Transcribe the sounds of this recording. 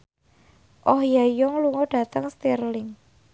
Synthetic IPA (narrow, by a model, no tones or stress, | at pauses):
ʔɔhjajɔŋluŋɔɖ̥ä̤t̪əŋst̪irlɪŋ